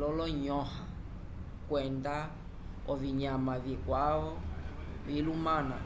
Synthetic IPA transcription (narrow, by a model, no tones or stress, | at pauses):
lɔlɔɲɔha | kwɛnda | ɔviɲamavikwaɔ | vilumana̰